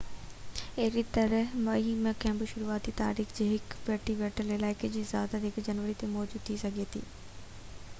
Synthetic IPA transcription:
eɦɾit̪ɐɾəɦmɐjimẽkɛ̃ːmbəʃʊɾuaːt̪it̪a̰ːɾiːxd͡ʑeːɦɪkpeːʈiʋɛːʈəlɪlaːɪked͡ʑiːzja̰ːd̪ad̪ɪkd͡ʑɐnʋəɾit̪emɔːd͡ʑuːd̪̚t̪ʰisɐɡʱet̪ʰḭː

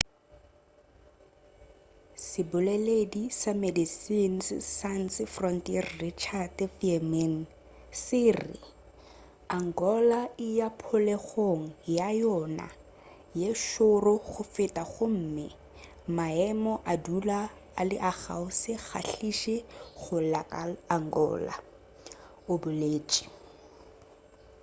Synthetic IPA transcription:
sɪbʊlɛledisamedisin̩sɪsan̩sɪfrɔntiɛrrit͡ʃʰadfiɛmɛn̩ | sɪːrɪ̰ | aŋ̩ɡɔlaɪjapʰʊleχoŋ̩jajɔna̰ | jeʃorʊɣʊfɪtʼaχʊm̩mɪ | maɛmɔʔadula | alɪʔaɣa̰ʊsɪɣa̰ɬiʃeχʊlakʼalaŋɡɔ̰ːla̰ | ʊbʊleːt͡ʃʼi̥

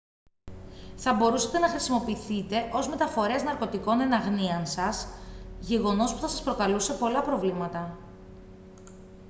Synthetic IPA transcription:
θɐbo̞ɾusɐt̪e̞nɐxɾisimo̞piθit̪e̞ʔo̞zme̞t̪ɐfo̞ɾe̞znɐɾko̞t̪iko̞ne̞nɐɣniɐnsɐsʝe̞ɣo̞no̞spu̥θɐsɐspɾo̞kɐluse̞po̞lɐpɾo̞vlimɐt̪ɐ

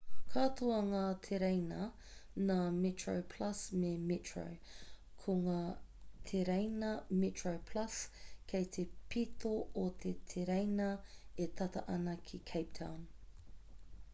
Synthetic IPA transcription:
kʰatoɐŋaːt̪ʰeɾejnɐ | naːmitɹo̰wpʰlɐsmemitɹo̰w | kʰoŋaː | t̪ʰeɾejnɐmitɹowpʰlɐskʰejt̪ʰepit̪oot̪ʰet̪ʰeɾejnɐet̪ʰɐtɐ̰ʔɐnɐkʰikʰejp̚tʰã̰wn

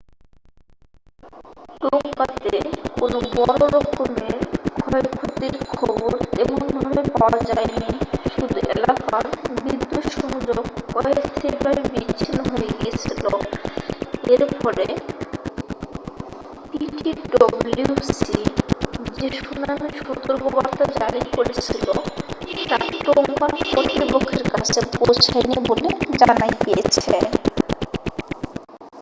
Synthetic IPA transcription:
koŋkat̪ekonobɔɾoɾɔkomeɾɡʱɔekʰut̪iɾkʰɔboɾeboŋbʱabepaoad͡ʑaeniʃud̪ʱuʔḛlakaɾbid̪ːoʃɔmud͡ʑoɡkɔest̪ʰebʱabebit͡ɕːɕʰinoɦoeɡiet͡ɕʰilo | eɾpɔɾe | piʈiɖɔblusi | d͡ʑeʃunaniʃɔt̪oɾɡobaɾt̪ad͡ʑaɽikoɾet͡ɕʰiloʈaʈoŋɡanpɾot̪ɾipokʰːeɾkat͡ɕʰepowt͡ɕʰajniboled͡ʑanajkiet͡ɕʰe

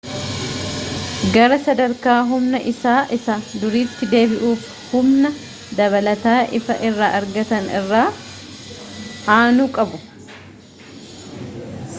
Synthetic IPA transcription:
ɡɐɾɐsɐd̪ɐɾkaːɦʊmnɐʔɪsaːʔɪsad̪ʊɾiːt̪ːɪd̪e̞ːbɪʔuːf | hʊmnɐ | d̪ɐβɐlɐt̪aːʔɪfɐʔɪrːaːʔɐɾɡɐt̪ɐnɪrːaː | aːnuːkʼɐbʊ

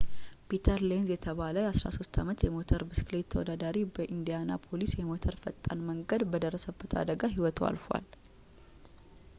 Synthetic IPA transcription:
pʰit̪ʰəɾlenzjɛt̪ʰəβaləjasɾa̰so̞st̪ʰa̰mət̪jɛmo̞t̪ʰəɾbɨsklet̪ʰːəwɔ̰d̪ad̪aɾibəʔind̪ijanapʰo̞lisjɛmo̞t̪ʰəɾfət̪ʼːa̰nməŋɡəd̪bəd̪ərːəsəbːət̪ʰa̰d̪əɡaɦiwɔt̪ʰa̰lfa̰l

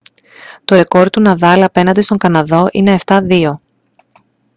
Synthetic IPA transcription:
t̪o̞ɾe̞ko̞ɾt̪unɐðɐlɐpe̞nɐnd̪est̪o̞ŋkɐnɐðo̞ʔine̞ːft̪ɐðio̞

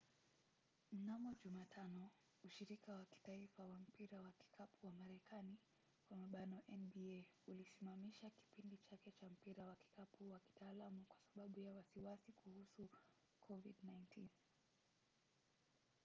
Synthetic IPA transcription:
m̩namɔʄumatʰanɔ | uʃiɾikawaki̥taifawam̩piɾawaki̥kapuwamaɾɛkani | kwamaɓanɔʔɛnɓiɛulisimamiʃaki̥pindit͡ʃakɛt͡ʃam̩piɾawaki̥kapuwaki̥taːlamukwḁsaɓaɓujawasiwasikuhusu | kʰɔviɗnajntʰin

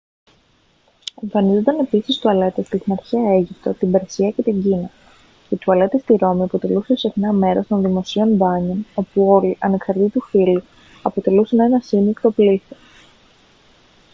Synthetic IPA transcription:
eɱfɐnizo̞nd̪ɐne̞pisist̪uɐle̞t̪est̪iθnɐɾçiɐe̞ʝipt̪o̞t̪ibeɾsiɐce̞t̪iɲɟinɐ | ce̞t̪uɐle̞t̪est̪iɾo̞miɐpo̞t̪e̞lusepsexnɐme̞ɾo̞st̪o̞nðimo̞sio̞nbɐɲono̞puo̞liʔɐne̞ksɐɾt̪it̪ufilu | ɐpo̞t̪e̞lusene̞nɐsinikt̪o̞pliθo

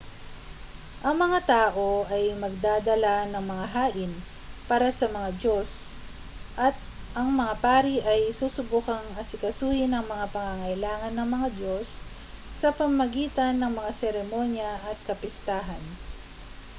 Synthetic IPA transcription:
ʔɐŋmɐŋat̪aːʔo̞ʔɐjmɐɡ̚d̪aːd̪ɐlanɐŋmɐŋaɦaːʔɪn | paːɾɐsɐmɐŋado̞s | ʔɐt̪̚ | ʔɐŋmɐŋapaːɾiʔɐjsuːsʊbukɐŋɐsɪkɐsuːhɪnɐŋmɐŋapɐŋaŋɐʔɪlaːŋɐnːɐŋmɐŋad̪o̞sː | ɐpɐmmɐɡiːt̪ɐnːɐŋmɐŋasɛɾɛmo̞njɐʔɐt̪̚kɐpɪst̪aːɦɐn

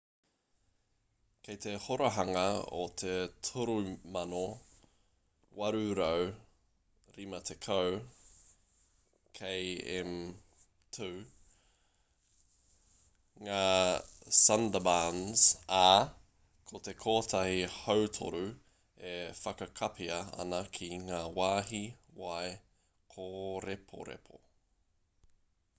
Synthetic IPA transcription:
kʰejt̪e̞hoɾɐɦɐŋɐo̰t̪ʰetʰuɾumɐno | wɐɾʉɾow | ɾimɐt̪ʰekʰəw | kʰejem | tʰʉː | ŋaː | sɐndəbanz̥a | kʰot̪ekʰoːt̪ʰahihowtʰo̰ɾu | efɐkɐkʰɐpʰiɐɐ̰nɐkʰiŋaːwaːɦiwaj | kʰoɾepʰo̰ɾḛpʰo̰

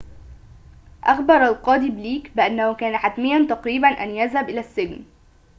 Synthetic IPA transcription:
ʔɑxbɑɾˤalqɑːd̪ibliːkbɪʔanːahʊkæːnaħat̪mɪjːant̪ɑqɾiːbanʔa̰njazhabʔɪlæːsːɪln

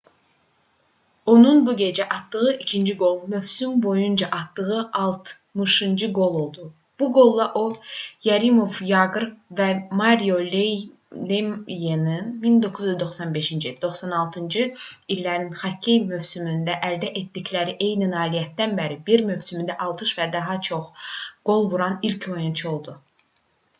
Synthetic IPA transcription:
o̞nunbuɟe̞d͡ʒæʔɑt̪d̪ɯɣɯʔicʰind͡ʒiɡo̞lˠmøvsymbo̞jund͡ʒɑʔɑt̪d̪ɯɣɯʔɑlˠt̪ʰ | mɯʃɯnd͡ʒɯɡo̞lˠo̞lˠd̪u | b̥uɡo̞lˠːɑʔo̞jæɾimo̞vjɑɡɯɾvæmɑɾijole | lejenɯnmind̪o̞kʰuzyzd̪o̞χsɑnbe̞ʃind͡ʒid̪o̞χsɑnɑlˠt̪ʰɯnd͡ʒɯilːæɾninχɑcʰːejmøvsymynd̪æʔæld̪æʔet̪̚d̪iclæɾiʔe̞jninɑːlijæt̪̚d̪ænbæɾibiɾmø̞vsymynd̪æʔɑlˠt̪ʰɯʃvæd̪ɑɦɑt͡ʃʰo̞χɡ̥o̞lˠvuɾɑnilcʰo̞junt͡ʃʰuo̞lˠd̪u

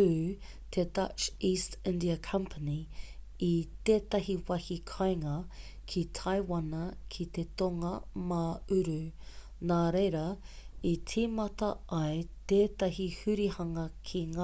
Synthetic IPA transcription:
ʉ | t̪ʰedɐt͡ʃistɪ̃ndiɐkʰɐ̃mpʰəni | it̪eːtɐɦiwɐhikʰajŋɐ | kʰit̪ʰajwɐnɐkʰit̪e̞t̪oŋɐmaʉɾʉ | naːɾejɾɐit͡simɐtɐʔɐjt̪eːt̪ɐɦihʉɾihɐŋɐkʰiŋa

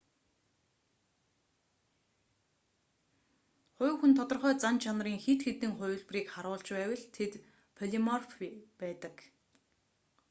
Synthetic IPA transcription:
χʊ̟ːwxunt̪ʰɔt̪ɞ̆rχœːt͡sant͡ɕʰanriːŋxet̪xet̪ɘ̆ŋχʊjɮpriːkχaɾʊːɮt͡ɕpæːwə̆ɮt̪ʰet̪ | pʰɔɮimɔrfpæːt̪ə̆k

